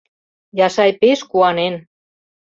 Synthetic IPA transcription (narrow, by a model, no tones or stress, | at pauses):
jɑsɑjpeʃkuɑnen